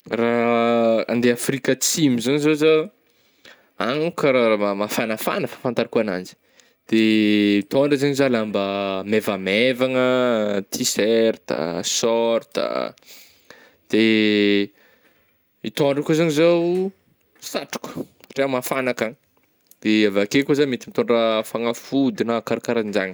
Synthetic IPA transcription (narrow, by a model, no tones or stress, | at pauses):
ra | a̰nd̪eafrikət͡simizaɲizozo | aŋkɾaaamafanəfa̰nəfḁfant̪aɾikuana̰nd͡ʒi̥ | d̪̥eit̪oɳɖ͡ʐəzaɲizalambəmevamevaŋət̪ʰiseɾt̪ə̰sɔɾt̪ə̰ | d̪̥e | it̪oɳɖ͡ʐəkuzaɲizow | saʈ͡ʂu̥ku̥ | ʈ͡ʂemafanakaɲ | d̪̥eavakekuzamet̪imit̪ɔɳɖ͡ʐəfaŋafud̪inakaɾakaɾaind͡ʒaɲə̥